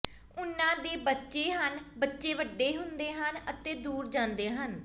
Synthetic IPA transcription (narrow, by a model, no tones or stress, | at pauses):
ʊnãːd̪eːbətːʃeːɦənbətːʃeːʋəɖːeːɦʊnd̪eːɦənət̪eːd̪uːɾd͡ʒãːnd̪eːɦən